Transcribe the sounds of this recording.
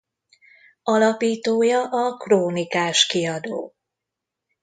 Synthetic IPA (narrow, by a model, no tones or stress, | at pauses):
ɒlɒpiːt̪oːjɒʔɒkroːnikaːʃkiɒd̪o̰ː